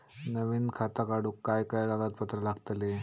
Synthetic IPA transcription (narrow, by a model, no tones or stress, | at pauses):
nəʋiːnkʰat̪akaɽuːkːajkajɡaɡat̪̚pət̪ɾəlaɡt̪le